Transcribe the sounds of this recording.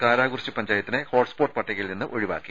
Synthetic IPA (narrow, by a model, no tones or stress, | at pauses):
kaːɾaːɣurt͡ɕːɨpɐɲd͡ʑaːjɐt̪ːinɨhoːʈspoːrʈːɨ̥pɐʈːɐɣɐjilninːɨʔo̞ɻiʋa̰ːkːi